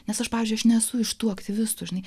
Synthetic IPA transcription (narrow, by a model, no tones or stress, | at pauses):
nʲɛsɐʃpɑːʋʲɪzʲd͡ʒʊɪɐʃnʲɛsʊɪʃt̪uːɐkt̪ʲɪʋʲɪst̪uːʒʲɪnɐɪ